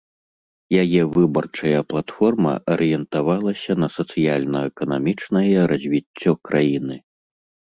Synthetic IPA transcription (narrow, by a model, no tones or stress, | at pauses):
jajɛvɨbɐrt͡ʂɐjɐplˠat̪fɔrmɐ̰ʔɐɾɨjɛnt̪avalˠɐsʲɐnɐsɐt̪sɨjalʲnɐɛkɐnamʲit͡ʂnɐjɛɾʔɐzʲvʲit͡sʲːɔkɾʔajinɨ